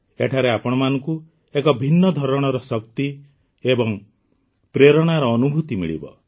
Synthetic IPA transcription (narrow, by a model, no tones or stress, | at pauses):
eʈʰaɾeapɔɽ̃ɔmanɔŋku | ekɔbʱinːɔd̪ʱɔɾɔɽ̃ɔɾɔsɔkt̪i | ebɔŋ | pɾeɾɔɽ̃aɾɔːnubʱut̪imḭɭḭbɔ̰